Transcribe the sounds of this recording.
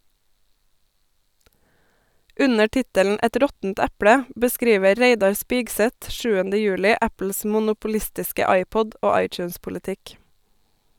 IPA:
ˈʉnə ˈʈɪtəln̩ ˈɛt ˈɾɔtn̩t ˈɛpɽə bəˈskɾiːʋə ˈɾeɪdɑɾ ˈspɪɡˌsɛt ˈʃʉːəndə ˈjʉːlɪ ˈæpl̩s mʊnʊpʊˈlɪstɪskə ˈɑɪˌpɔd ˈoː ˈɑɪˌt͡ʃʉːnspʊlɪˌtɪk

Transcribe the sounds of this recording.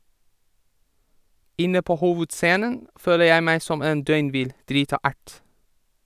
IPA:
ˈɪnə ˈpoː ˈhuːʋʉdˌseːnən ˈføːlə ˈjæɪ ˈmæɪ ˈsɔm ˈeːn ˈdœʏnˌʋɪl ˈdɾiːtɑ ˈæʈ

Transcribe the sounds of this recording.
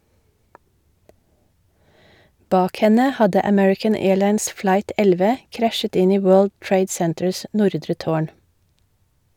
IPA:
ˈbɑːk ˈhɛnə ˈhɑdə əˈmɛɹɪkən ˈeːɭɑɪns ˈflɑɪt ˈɛlʋə ˈkɾæʃət ˈɪn ˈiː ˈwøːɭd ˈtɹeɪd ˈsɛntəɹs ˈnʊɾdɾə ˈtoːɳ

